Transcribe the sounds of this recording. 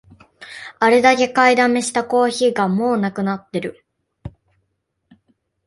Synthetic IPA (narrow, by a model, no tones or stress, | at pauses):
aɾe̞d̪ake̞kaid̪ame̞ɕi̥t̪ako̞ːçiːɡamo̞ːnakɯ̟nat̪ːe̞ɾɯ̟